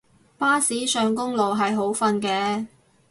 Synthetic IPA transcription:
paː˥siː˨˥sœː˨˧ŋkʊ˥ŋlo˨wɦɐ˨jɦo˨˥wfɐ˧nkɛː˧

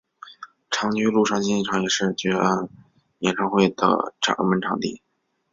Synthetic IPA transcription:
ʈ͡ʂʰɑ˧˥ŋt͡ɕy˥lu˥˧ʂɑ˥˧ŋt͡ɕi˥n˥˩ʈ͡ʂʰɑ˧˥ŋjɛ˨˩ʂɻ̩˥˩t͡ɕɛ˧˥a˥˩n | jɛ̰˨˩nʈ͡ʂʰɑ˥˧ŋxwe˥˩ɪd̪ə̰˩ʈ͡ʂʰɑ̰˨˧˦ŋ˥mə˧˥nʈ͡ʂʰɑ˨˧˥ŋt̪ḭ˥˩

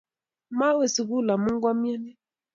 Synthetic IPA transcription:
ma˦we˨si˨ɣu˦˨la˨mu˦ŋ˦ɡwa˦mja˦nɛ˦

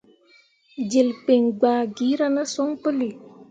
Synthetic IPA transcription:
d͡ʒe˨lk͡pe˨ŋɡ͡baː˨ɡi˦ɾa˦na˦sɔ˦ŋpə˦li˨

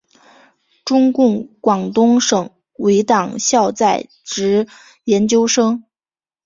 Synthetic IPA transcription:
ʈ͡ʂʊ˥ŋkʊ˥˩ŋkwɑ˨˩ŋt̪ʊ˥ŋʂɤ˨˩ŋ | we˧˥ɪt̪ɑ˨˩ŋɕjɑ˥˧ʊt͡sa˥˩ɪ | ʈ͡ʂɻ̩˧˥ | jɛ˧˥nt͡ɕjo˥ʊʂɤ˥ŋ

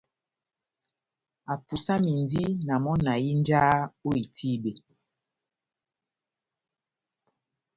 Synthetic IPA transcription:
a˨pu˨sa˦mi˨ndi˦na˨mɔ˦na˨ji˦n˦d͡ʒaː˦o˦i˨tʰi˦be˨

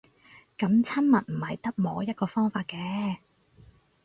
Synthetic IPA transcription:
kɐ˨˥mt͡sʰɐ˥nmɐ˨t̚m̩˨˩hɐ˨jt̪ɐ˥k̚mɔː˨˥jɐ˥t̚kɔː˧fɔː˥ŋfaː˧t̚kɛː˨˥

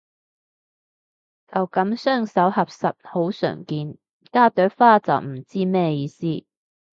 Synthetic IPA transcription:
t͡sɐ˨wkɐ˨˥msœː˥˩ŋsɐ˨˥whɐ˨p̚sɐ˨t̚ho˨˥wsœ̰ː˨˩ŋkiː˧n | kaː˥˩t̪œː˨˥faː˥t͡sɐ̰˨˩wm̩˨˩t͡siː˥mɛː˥˧jiː˧siː˥

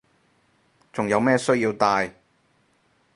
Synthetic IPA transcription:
t͡sʊ˨ŋjɐ˨˧wmɛː˥sɵ˥ɥjiː˧wt̪aː˧j

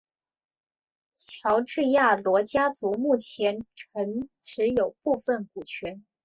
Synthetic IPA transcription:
t͡ɕʰjɑ˧˥ʊʈ͡ʂɻ̩˥˧ja˥˩lwɔ˧˥t͡ɕja˥t͡su˧˥mu˥˩t͡ɕʰjɛ˧˥nʈ͡ʂʰə˧˥ŋʈ͡ʂɻ̩˧˥jo˨˩ʊpu˥˧fə˥˩nku˨˩t͡ɕʰɥɛ˧˥n

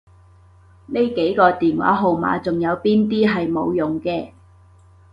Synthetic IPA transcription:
ne˥jke˨˥jkɔː˧t̪iː˨nwa̰ː˨˥ɦo˨wma̰ː˨˧t͡sʊ˨ŋjɐ˨˧wpiː˥nt̪iː˥ɦɐ˨jmo˨˧wjʊ˨˩ŋkɛː˧

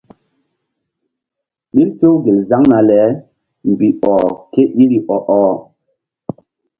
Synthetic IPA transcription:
ɗi˦lto˦wɡe˨za˦ŋna˨lɛ˨˦ | m˨bi˨ʔɔ˨ke˦ɗi˦ɾi˨ʔɔ˨ʔɔ˨

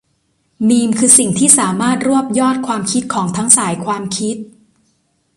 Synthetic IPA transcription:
niː˧mkʰɯː˧si˨˩ŋt̪ʰiː˥˩saː˩˦maː˥˩t̪̚ɾu˥˩əp̚jɔː˥˩t̪̚kʰwaː˧mkʰi˦˥t̪̚kʰɔː˩˦ŋt̪ʰa˦˥ŋsaː˩˦jkʰwaː˧mkʰi˦˥t̪̚

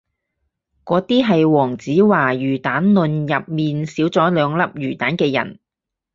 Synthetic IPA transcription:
kɔː˨˧t̪iː˥ɦɐ˨jwɔː˨˩ŋt͡siː˨˥waː˨˩jyː˨˩t̪aː˨˥nlɵ˨njɐ˨p̚miː˨nsiː˨˥wt͡sɔː˨˥lœː˨˧ŋlɐ˥p̚jyː˨˩t̪aː˨˥nkɛː˧jɐ̰˨˩n

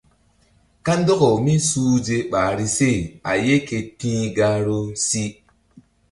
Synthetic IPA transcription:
ka˦n˦do˦ko˨mi˦suː˦d͡ʒe˦ɓaː˨ɾi˦se˦˨a˨je˦ke˧tĩ˦ɡa˧ɾo˦si˦

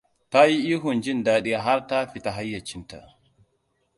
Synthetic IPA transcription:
ta˦ji˦ʔiː˦ɦu˨nd͡ʒi˦ndaː˨ɗi˦a˨ɦa˦ɾta˦fi˨ta˨ɦa˦jːa˨t͡ʃi˦nta̰˨

